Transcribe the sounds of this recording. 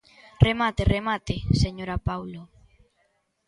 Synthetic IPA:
remat̪eremat̪eseɲoɾapawlo

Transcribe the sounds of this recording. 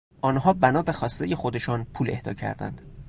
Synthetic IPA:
ʔɒːnhɒːbænɒːbe̞xɒːst̪e̞je̞xo̞d̪e̞ʃɒːnpʰuːle̞̰hd̪ɒ̰ːcʰæ̰ɾd̪æ̰nd̪̥

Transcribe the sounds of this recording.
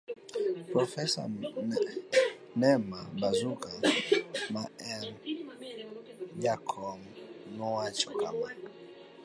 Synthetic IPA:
pɾɔfɛsɔ̰ | nɛmabazukamaɛm | jakʰɔmnɔwat͡ʃɔ̥kʰa̰ma

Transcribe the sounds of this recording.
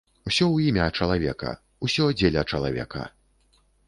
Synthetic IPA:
usʲɔwimʲɐːt͡ʂɐlˠavʲɛkɐ̰ | usʲɔd͡zʲelʲɐt͡ʂɐlˠa̰vʲɛ̰kɐ̰

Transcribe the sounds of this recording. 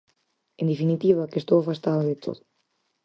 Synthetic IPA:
end̪efinit̪iβakest̪owafast̪aðaðet̪ʰo̰ðʊ

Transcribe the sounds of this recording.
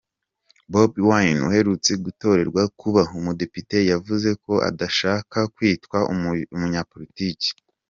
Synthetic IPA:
bobwajnṵhe̞ɾut͡seɡuto̞ɾe̞ɾɡwakuβaumude̞pite̞javuze̞ko̞ʔa̰daʃaːkakwiːtkwaumuɲapo̞ɾitiːci̥

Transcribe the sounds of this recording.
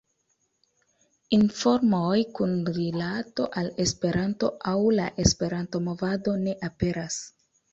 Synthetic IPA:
info̞ɾmojkunɾilato̞ʔale̞spe̞ɾʔanto̞awlaʔe̞spe̞ɾanto̞mo̞vado̞ne̞ʔape̞ɾas

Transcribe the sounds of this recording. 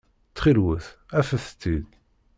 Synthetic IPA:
t͡sːχilwəθæfæθt̪ːid̪

